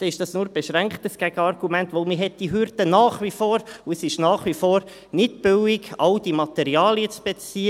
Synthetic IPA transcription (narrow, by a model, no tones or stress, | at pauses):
d̪̥ɛɪʃd̥ɑsnuːɾb̥eʃɾæŋkχtəsɡ̥æɡ̥əɑɾɡ̥umɛntʋolmɪɦɛt̚d̥iɦʏɾdənɑːχʋifoːɾuəsɪʃnɑːχʋifoːɾ | nɪdb̥ʏwɪɡɑld̥imɑt̪ɛɾiɑːliət͡sb̥ɛt͡siə